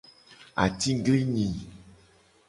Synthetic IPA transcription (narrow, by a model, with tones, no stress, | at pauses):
a̰˨t̪i˦ɡli˦ɲĩ˨